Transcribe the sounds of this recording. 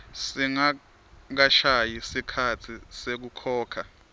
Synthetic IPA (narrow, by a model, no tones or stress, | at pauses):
siŋa | k̬aʃajisikʰatʰisek̬ukʰɔːkʰa